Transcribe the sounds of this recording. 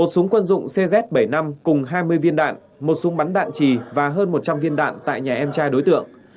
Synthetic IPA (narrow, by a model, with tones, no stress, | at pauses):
mo˨˩t̚sʊ˨˦ŋkwə˧nzʊ̰˧˨ŋ͡msɛ˧zɛ˦˥t̚ɓə˧˩jna˧mkʊ˨˩ŋ͡mɦaː˧jmɨ˧əjvi˧ənɗa̰ː˧˨n | mo˨˩t̚sʊ˨˦ŋɓa˨˦nɗa̰ː˧˨nt͡ɕi˨˩vaː˨˩ɦəː˧nmo˨˩t̚t͡ɕa˧mvi˧ənɗa̰ː˧˨nt̪a̰ː˧˨jɲaː˨˩ʔɛ˧mt͡ɕaː˧jɗo˨˦jt̪ɨ̰˧˨əŋ